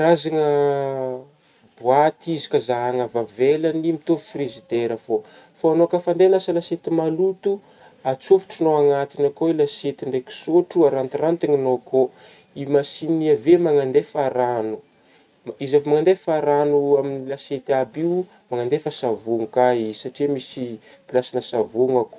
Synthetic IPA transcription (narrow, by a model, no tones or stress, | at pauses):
ɾazaŋə | buat̪izi̥kazaɦaŋəvavelanimit̪ovi̥frezid̪eɾəfo | foanoakəfand̪elasəlaset̪imalut̪u | at͡sofu̥ʈ͡ʂunoaŋat̪inakoilaset̪iɳɖ͡ʐeki̥soʈ͡ʂuaɾant̪irant̪eŋinoko | imasiniiavemaŋand̪efaɾanu | mizavmaŋand̪efaɾanuaminilaset̪abiu | maŋand̪efasavuŋukaisaʈ͡ʂimisi | pilasinəsavuŋako